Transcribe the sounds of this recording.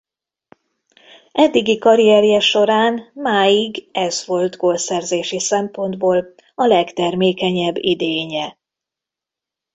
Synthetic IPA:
ʔɛd̪ːiɡikɒɾiɛɾijɛʃo̞ɾaːnmaːjiɡɛzʋo̞lt̪ɡoːlsɛrzeːʃisɛmpo̞nd̪boːl | ɒlɛkt̪ɛrmeːkɛɲɛbːid̪eːɲɛ

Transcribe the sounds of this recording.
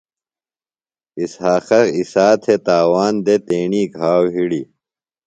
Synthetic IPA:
ishaːxɐisaːt̪ʰet̪aːwaːnd̪et̪eːɳiːɡʱaːwɦiɽi

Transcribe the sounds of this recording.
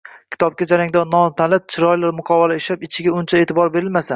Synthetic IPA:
kʲʰɪ̥t̪ʰɒp̚kʲad͡ʒaɾaŋd̪ɒnɒnt̪ʰalat̪̚t͡ʃʰɪɾɒjlaɾmʊqʰɒvalaɪʃlapɪt͡ʃʰɪɡʲaʊnt͡ʃʰae̞ːt̪ʰɪbɒɾbe̞ɾɪlmasan

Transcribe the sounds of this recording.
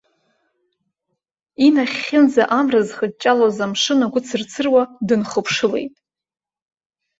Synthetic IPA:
inaχʲɪnd͡zaʔamrɨzχəd̚t͡ʃʼalozamʂɨnaɡʷʊt͡sʰɨrt͡sʰɨrwadɨnχəpʰʂɨle̞̰jtʼ

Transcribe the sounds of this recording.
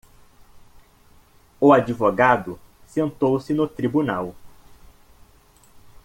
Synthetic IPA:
ʊad͡ʒivoɡad̪ʊ | sẽnt̪owsɪnʊt̪ɾibunaw

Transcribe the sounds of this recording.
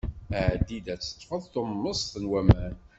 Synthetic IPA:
æʕd̪id̪æt͡sːə̥t̪ˤːfəðˤθomːəsθənwæmæn

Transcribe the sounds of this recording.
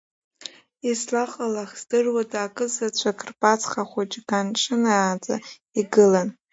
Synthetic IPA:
islaqʼalaχz̥dɨrwadaːkʼɨzat͡ɕʷʰakʰrpʼat͡sʰχaχʷat͡ʃʼɡanʈ͡ʂʰʼɨnaaːt͡sʼa̰ | iɡɨlan

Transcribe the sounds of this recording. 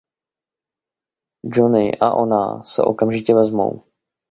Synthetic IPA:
d͡ʒonɪʔa̰ʔo̞na̰ːsɛ̰ʔo̞̰kamʒɪcɛvɛzmo̞̰w

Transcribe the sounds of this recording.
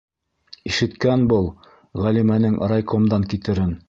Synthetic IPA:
iʃɘ̆t̪kænbɤlˠ | ʁælimænɘŋʔɾɑjkomd̪ɑŋkit̪ɘ̆ɾɘn

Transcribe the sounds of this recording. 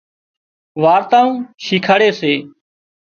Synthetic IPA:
ʋaːɾt̪aːũːʃiːkʰaːɽeːseː

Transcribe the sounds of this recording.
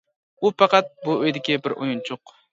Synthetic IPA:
upɑqɑt̪̚buøjd̪ɪkʲibɪɾo̰junt͡ʃʰoq

